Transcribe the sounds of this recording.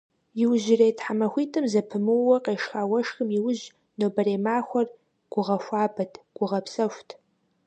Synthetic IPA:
jɪwʒɪreːjtħamɐxʷiːtʰʼɨmzɐpʰɨmɨwɐqʼeːʂxaːwɐʂxɨmjiwʊʑ | noːbɐɾeːmaːxʷɐr | ɡ̥ʷʊʁɐʃʷaːbɐtʰɡ̥ʷʊʁɐpʰsɐʃʷtʰ

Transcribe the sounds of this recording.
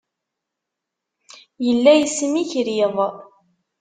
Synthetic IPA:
jəlːæjəsmiçɾiðˤ

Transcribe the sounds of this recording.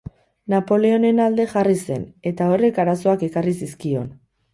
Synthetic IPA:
napo̞leo̞ne̞nald̪e̞ʝarise̞̰ne̞t̪ao̞re̞kaɾaso̞ake̞karisiskio̞n

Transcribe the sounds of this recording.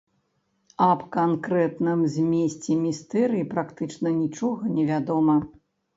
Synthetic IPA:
ɐpkankɾɛt̪nɨmzʲmʲesʲt͡sʲɛmʲist̪ɛɾɨjipɾakt̪ɨt͡ʂnɐnʲit͡ʂɔɣɐnʲɛvʲad̪ɔmɐ

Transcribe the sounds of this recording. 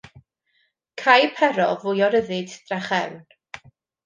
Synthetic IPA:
kʰajpʰɛɾɔvʊjɔɾəðɨdd̥raχɛwn

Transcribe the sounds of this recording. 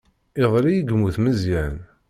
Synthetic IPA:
iðˤɾijəɡmuθməzjæn

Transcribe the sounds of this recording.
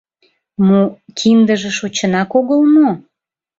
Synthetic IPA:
mokʰind̪əʒeʃot͡ɕənɑkoɣəlno

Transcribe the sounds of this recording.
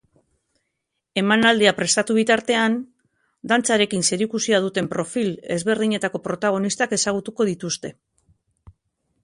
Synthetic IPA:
e̞manald̪iapɾe̞st̪at̪uβ̞it̪aɾt̪e̞an | d̪ant͡saɾe̞kinse̞ɾikusiað̞ut̪e̞mpɾo̞file̞̰zβe̞ɾðiɲe̞t̪ako̞pɾo̞t̪aɣ̞o̞nist̪ake̞saɣ̞ut̪uko̞ð̞it̪ust̪e̞

